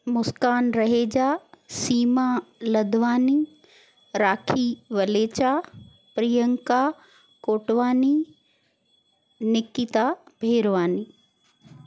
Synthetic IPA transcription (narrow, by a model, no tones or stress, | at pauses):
mʊskaːnɾɐɦeːd͡ʑaːsiːmalɐd̪ʱʋaːni | ɾaːkʰiʋɐleːt͡ɕa | pɾijəŋka | koːʈʋaːni | nɪkit̪abʱeːɾʋaːniː